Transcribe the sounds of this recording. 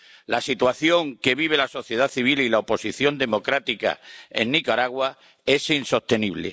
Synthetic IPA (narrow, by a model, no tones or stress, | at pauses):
lasit̪waθjo̞ŋke̞βiβ̞e̞laso̞θje̞ð̞aθiβililaopo̞siθjo̞nd̪e̞mo̞kɾat̪ika̰e̞̰nːikaɾaɣwa | e̞sinso̞st̪e̞niβlḛ